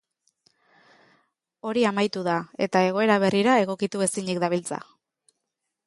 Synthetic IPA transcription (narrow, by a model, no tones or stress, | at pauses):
o̞ɾiamajt̪uðae̞t̪ae̞ɣo̞e̞ɾaβ̞e̞riɾae̞ɣ̞o̞kit̪ue̞siɲikd̪aβ̞ilt͡sa̰